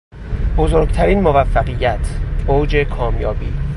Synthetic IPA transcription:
bozoɾɡt̪ʰæɾiːnmovæfːæɢijːæt̪ʰowd͡ʒe̞kʰɒːmjɒːbiː

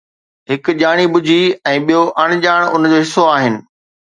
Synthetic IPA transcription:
ɦɪkʄaːɽ̃iɓʊd͡ʑʱiɛ̃ːɓijoʔɐɽ̃ɪ̆ʄaːɽ̃ʊnd͡ʑoːɦɪsoaːɦɪnɪ̆

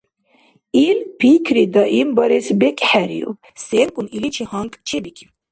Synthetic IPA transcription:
ilpʰikʰɾid̪aʔimbɑɾɛsbɛkʼħæɾḭṵ | sɛŋkʼunilit͡ʃʰɛhɑŋkʼt͡ʃʰɛbikʲʼiw

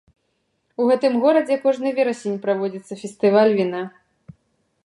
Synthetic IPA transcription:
uɣɛt̪ɨmɣɔɾɐd͡zʲɛkɔʐnɨjvʲɛɾɐsʲenʲpɾavɔd͡zʲit̪sːɐfʲɛst̪ɨvalʲvʲina

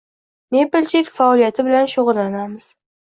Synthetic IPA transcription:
mepelt͡ʃʰekʲfaɒlijat̪ʰɪbɪlanʃoʁɨɾlanamɪz̥

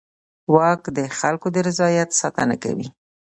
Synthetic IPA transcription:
wɑkd̪əxalkod̪əɾɪzɑjat̪sɑt̪ana̰ka̰wḭ

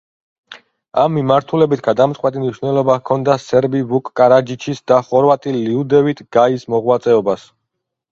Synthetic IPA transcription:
amːimaɾt̪ʰulɛbit̪ʰɡad̪amt̪sʼqʼwɛt̪ʼimniʃvnɛlˠɔbakʰɔnd̪asɛɾbivukʼːaɾad͡ʒit͡ʃʰisd̪aχɔɾvat̪ʼiliud̪ɛvit̪ʰɡ̥aismɔʁwat̪sʼɛɔbas

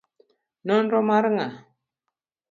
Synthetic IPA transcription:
nɔnɾɔmaɾŋa

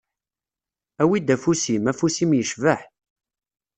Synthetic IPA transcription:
æwid̪æfusimæfusimjəʃvəħ

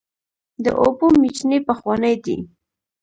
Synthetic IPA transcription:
d̪ə̰ʔobomit͡ʃnepəxwɑnəjd̪ḭ

